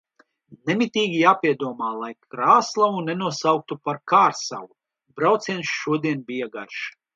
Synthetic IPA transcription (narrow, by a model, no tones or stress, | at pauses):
nɛmit̪ʲiːɡʲijaːpʲiɛd̪uɔmaːlˠajkɾaːslˠavunɛnuɔsawk̚t̪upaɾkaːɾsa̰wu | bɾawt̪siɛnsʃuɔd̪iɛnbʲijaɡaɾʃ